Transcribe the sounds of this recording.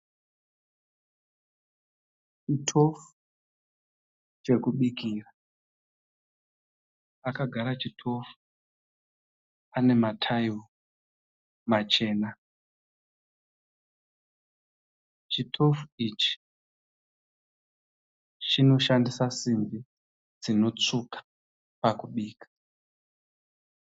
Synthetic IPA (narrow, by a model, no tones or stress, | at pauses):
t͡ʃitʰo̞fu̥ | t͡ʃe̞kuɓikiːra | akaɡʱaɾat͡ʃitʰo̞fu̥ | ane̞matʰajo | mat͡ʃe̞ːna | t͡ʃitʰo̞fuit͡ʃi̥ | t͡ʃino̞ʃandisasimbi | d͡zino̞t͡sukḁ | pakuɓiːkḁ